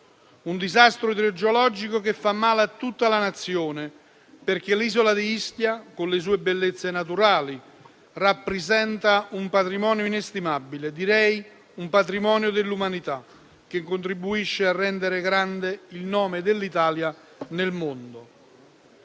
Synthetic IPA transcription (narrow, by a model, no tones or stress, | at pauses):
und̪izast̪ɾʊid̪ɾed͡ʒolɔd͡ʒikokefːamːaːleat̪ːut̪ːalanat̪sːjoːne | perk̟eliːzolad̪iist̪jakonles̬uːebelːet̪sːenat̪̬uɾaːli | rapːɾezɛnt̪aumpat̪ɾimɔːnjoinest̪imabːiled̪iɾɛj | umpat̪̬ɾimɔːnjod̪elːumanit̪a | k̟eŋkːont̪ɾibuiʃːearːɛnd̪eɾeɡɾand̪eilnɔːmed̪elːit̪aːlja | nelmond̪o